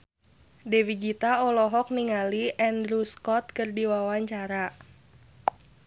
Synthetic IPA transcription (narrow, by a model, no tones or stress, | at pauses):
dewiɡit̪aɔlɔɦɔk̚niŋaliʔɛndɾuskɔt̪̚kərdiwawaɲt͡ʃaɾa